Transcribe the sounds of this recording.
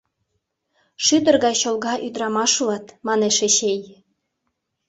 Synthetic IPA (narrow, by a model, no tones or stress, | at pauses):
ʃyd̪ərɣɑjɕolɣɑʔyd̪ɾɑmɑʃlɑt̪mɑneʃeɕej